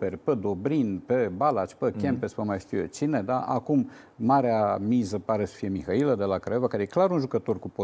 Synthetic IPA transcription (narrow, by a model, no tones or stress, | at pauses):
perʲpəd̪o̞bɾinpebalat͡ʃʲpəkʲempespəmajʃt̪ijḛt͡ʃined̪aʔakum | maɾeamizəpaɾe̞sə̥fije̞mixailəd̪e̞lakɾeovakaɾejeklaɾunʒukət̪o̞rkupo